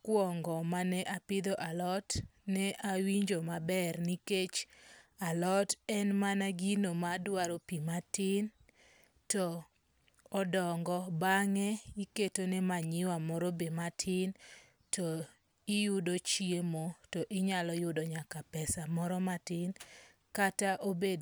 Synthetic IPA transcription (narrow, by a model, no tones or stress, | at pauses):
kwɔŋɡɔmanɛʔapɪd̪oʔalɔtnɛʔawiɲd͡ʒomabɛrniket͡ʃalɔtɛnmanaɡinomadwaɾopimatɪn | tɔː | dɔŋɡɔbaŋɛiketonɛmaɲɪwamɔɾobematʰɪn | tɔ | ɪjʊdot͡ʃiemotɔʔɪɲalɔjʊdoɲakapɛsamɔɾɔmatɪn | kataʔobed